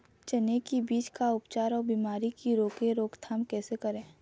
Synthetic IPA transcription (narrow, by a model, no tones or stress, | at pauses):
t͡ʃɐnekibiːt͡ʃkaʊpt͡ʃaːɾɔːbiːmaːɾikiɾoːkẽɾoːkt̪ʰaːmkɛːsekəɾẽː